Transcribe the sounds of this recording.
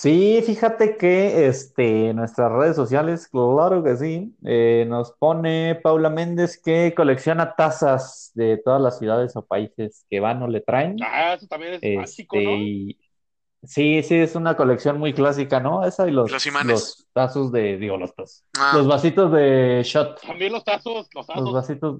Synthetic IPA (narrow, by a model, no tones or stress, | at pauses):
sifixat̪e̞ke̞est̪enːwe̞st̪ɾasre̞ð̞es̬ːosjale̞sklaɾo̞ke̞sieno̞spo̞ne̞pawlamẽ̞nd̪e̞skeko̞le̞ksjo̞nat̪asazðe̞t̪o̞ðazlasːjuðað̞e̞so̞paise̞ske̞βano̞le̞t̪ɾaenast̪aeest̪ei | sisiesunako̞le̞ksjo̞nmujklas̬ikano̞e̞sailoslost̪aso̞zðeðiɣolost̪os | lo̞zβasit̪o̞zðe̞ʃot̪ost̪aslozβasit̪oz